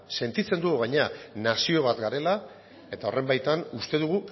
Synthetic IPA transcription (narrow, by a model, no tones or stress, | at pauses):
se̞nt̪it͡se̞nd̪uɣuɣaɲanasio̞βat̪ɡaɾe̞la | e̞t̪ao̞re̞mbajt̪anust̪e̞ðuɣ̞u